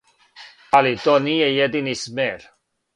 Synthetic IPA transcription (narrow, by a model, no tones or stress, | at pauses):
alit̪oniejed̪inismeɾ